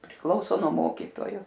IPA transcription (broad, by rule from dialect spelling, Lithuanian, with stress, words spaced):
pʲrʲɪˈklˠɐʊsoː nuɔ ˈmoːkʲiːtoːjoː